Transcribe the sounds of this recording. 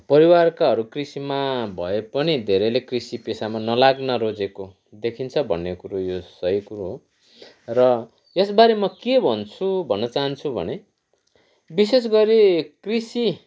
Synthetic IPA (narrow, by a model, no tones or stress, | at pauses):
pʌɾiwarkaɦʌɾukrisimabʱʌepʌnid̪ʱeɾʌlekrisipesamanʌlaɡnʌɾod͡zeko | d̪ekʰint͡sʰʌbʱʌ̰nːekuɾojosʌjkuɾoɦo | rʌ | esbaɾemʌkebʱʌnt͡sʰubʱʌnːʌt͡saɦʌnt͡sʰubʱʌ̰ne | bis̬es̬ɡʌɾekrisi